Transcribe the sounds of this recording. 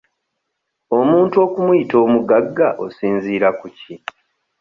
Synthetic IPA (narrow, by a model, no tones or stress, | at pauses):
o̞muːntuo̞ːkumujito̞ːmuɡaɡːaʔosiːnziːɾakuci